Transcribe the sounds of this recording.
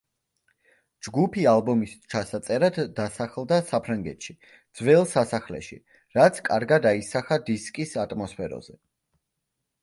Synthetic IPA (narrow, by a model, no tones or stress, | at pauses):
d͡ʒɡupʰialˠbɔmist͡ʃʰasat̪sʼɛɾad̪ːasaχlˠd̪asapʰɾaŋɡɛt̪ʃi | d̪zwɛlˠsasaχlɛ̰ʃḭ | ɾat̪sʰkʼaɾɡad̪aisaχad̪iskʼisat̪ʼmɔspʰɛɾɔ̰zɛ